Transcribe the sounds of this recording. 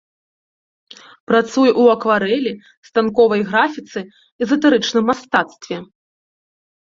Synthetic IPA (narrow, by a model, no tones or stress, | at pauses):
pɾat̪sujuʔwɐkvaɾɛlʲi | st̪ankɔvɐjɣɾafʲit̪sɨ | ɛzɐt̪ɛɾɨt͡ʂnɨmːast̪at̪st̪vʲɛ